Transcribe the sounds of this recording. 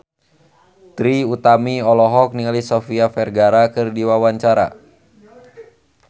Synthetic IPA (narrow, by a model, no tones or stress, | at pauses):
t̪ɾiut̪amiɔlɔɦɔk̚niŋalisɔfiafɛrɡaɾakɨrdiwawaɲt͡ʃaɾa̰